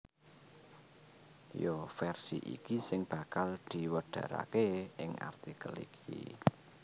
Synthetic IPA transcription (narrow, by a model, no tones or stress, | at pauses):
jofɛrsḭʔḭkisɪŋb̥ä̤kald̪̥i̤wəɖ̥ä̤ɾa̰keɪŋa̰rt̪ikəlḭkʰḭ